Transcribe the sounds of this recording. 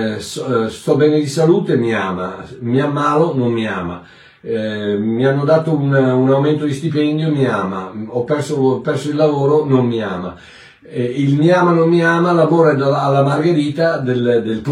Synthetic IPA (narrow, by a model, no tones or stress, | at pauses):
sst̪ɔbɛːned̪isaluːt̪emia̰ːma̰miamːaːlonommia̰ːma̰ | mianːod̪aːt̪oununawment̪od̪ist̪ipɛnd̪jomiaːma̰ɔpːɛrsopːɛrsoilːavoːɾonommia̰ːma̰ | ilmiaːmanomːiaːmalavoːɾad̪aːlːamarɡeɾiːt̪ad̪eld̪elp